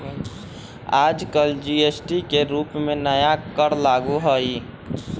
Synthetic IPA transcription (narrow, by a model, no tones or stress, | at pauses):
ad͡ʒkəld͡ʒiesʈikeɾupmenəjakəɾlaɡuɦəi